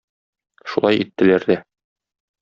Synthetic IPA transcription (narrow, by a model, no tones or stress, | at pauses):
ʃulˠɑjit̪ːɘ̆læɾd̪æ